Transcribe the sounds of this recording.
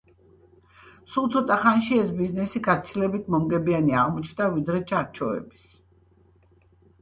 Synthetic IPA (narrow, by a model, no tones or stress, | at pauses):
sulˠt̪sʰɔt̪ʼaχanʃiɛsbiznɛsiɡat̪sʰilɛbit̪ʰmɔmɡɛbianiaʁmɔt͡ʃʰd̪avid̪ɾɛt͡ʃʰaɾt͡ʃʰɔɛ̰bis